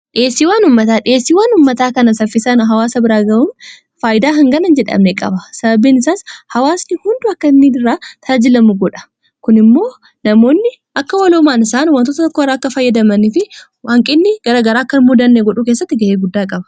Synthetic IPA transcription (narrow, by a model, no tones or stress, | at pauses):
ᶑeːsːiːwaːnʊmːɐt̪aːᶑɪeːsːiːwaːnʊmːɐt̪aːkɐnɐsɐfːɪsanɦɐwaːsɐbɪɾaːɡɐbʊm | faːjɪd̪aːɦɐŋɡɐnɐnd͡ʒɛᶑɐ̰mnekʼɐ̰bɐsɐbɐbiːnɪsaːshɐwaːsnɪhʊnd̪ʊɐkːɐnːiɪrːaːt̪ʰaːd͡ʒɪlɐmʊɡɔᶑɐ̥ | kʊnɪmːo̞ː | nɐmo̞ːnːɪ | ʔɐkːɐwɐlomaːnɪsaːnwɐnt̪ot̪ɐt̪ɔkːorːaːɐkːɐfɐjːɐd̪ɐmɐniːfɪ | waːŋkʼɪnːɪɡ̥ɐɾɐɡɐɾaːkːɐnmʊd̪ɐnːeɡɔᶑuːkeːsːɐt̪ːɪɡɐʔeːɡʊd̪ːaːkʼɐbɐ̥